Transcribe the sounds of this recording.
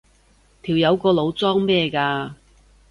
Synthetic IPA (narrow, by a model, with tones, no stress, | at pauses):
t̪ʰiː˨˩wjɐ˨˧wkɔː˧lo˨˧wt͡sɔː˥ŋmɛː˥˧kaː˧